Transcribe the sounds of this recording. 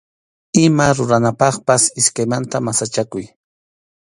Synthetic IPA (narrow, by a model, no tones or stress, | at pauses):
ɪmaɾʊɾanapɑχpasɪskajmant̪amasat͡ʃakʊj